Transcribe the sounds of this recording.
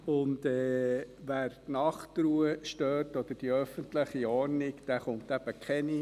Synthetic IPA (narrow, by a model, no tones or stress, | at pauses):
ʊndɛːʋæːɾtnɑχtɾuəʃtøːtɔd̪̥əɾd̥iœfəntləχiɔɾnikd̥æχʊmt̪æb̥əkχɛni